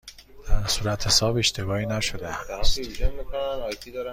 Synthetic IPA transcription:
d̪̥æɾsuːɾæt̪ʰhe̞sɒːbe̞ʃt̪ʰe̞bɒːiːnæʃo̞d̪eæstiud͡ʒemikonænɒjt̪ʰid̪ɒɾ

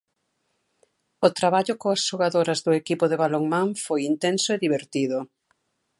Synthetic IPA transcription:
ʊt̪ɾaβaʎʊkoɐsʃoɣaðoɾɐzðʊekipʊðeβaloŋmãŋfojint̪ensʊeðiβeɾt̪iðʊ

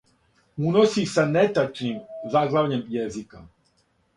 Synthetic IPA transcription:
unosisanet̪at͡ʃnimzaɡlˠaʋɲemjezika

